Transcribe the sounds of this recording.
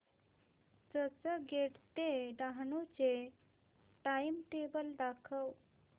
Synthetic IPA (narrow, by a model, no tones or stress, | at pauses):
d͡zət͡səɡeɽt̪eɖ̪aɦɳut͡se | ʈaimʈebəld̪akʰəw